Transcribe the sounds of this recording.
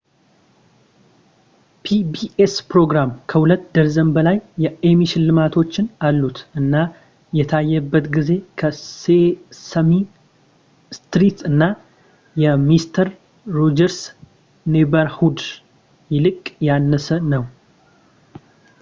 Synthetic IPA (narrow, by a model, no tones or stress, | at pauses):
pʰibiespɾo̞ɡɾamkʰəhulət̪ːd̪əɾzəmbəlajːɛemiʃɪnlɨmat̪ʰo̞t͡ʃːɪnalːut̪ʔɨnːa | jɛt̪ʰajːɛbːət̪ɡize̞kʰəsesəmi | st̪ɾit̪ɨnːa | jɛmist̪ʰəɾː | od͡ʒəɾs | nebəɾhud̪ | jɪlɨkʼjanːəsənəw